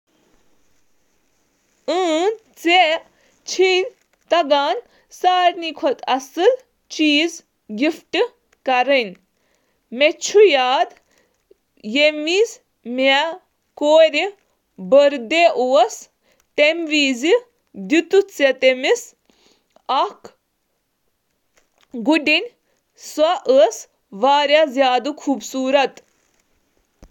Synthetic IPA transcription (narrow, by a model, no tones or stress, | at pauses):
əːnt͡se | t͡ʃʰin | t̪ɐɡaːn | saːɾnikʰɔt̪ɐsɨl | t͡ʃiːz | ɡifʈɨ | kɐɾən | met͡ʃʰujaːd̪ | jemis | me | koːɾʲi | bəɾd̪eʔuɐs | ʈemʋiːzi | d̪ut̪ut͡sɐt̪emis | ɐk | ɡuɖinʲ | swaʔəs | ʋaːɾjazʲjaːd̪ɨkʰuːbsuːɾɐt̪